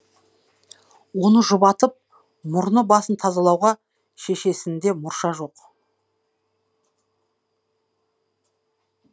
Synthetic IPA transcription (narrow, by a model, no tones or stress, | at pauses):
wo̞nəʒʊβɑt̪əp̚ | mʊɾnəbɑsənt̪ʰɑzɑlˠɑwʁɑ | ʃe̞ʃe̞sɪnd̪e̞mʊɾʃɑʒo̞q